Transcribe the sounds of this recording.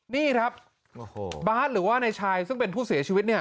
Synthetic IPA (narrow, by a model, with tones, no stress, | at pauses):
niː˥˩kʰɾa˦˥p̚ | o˧baː˦˥t̪̚ɾɯː˩˦waː˥˩na˧jt͡ɕʰaː˧jsɯ˥˩ŋpe˧npʰuː˥˩si˨˩˦t͡ɕʰi˧wi˦˥t̪̚ni˥˩ɐ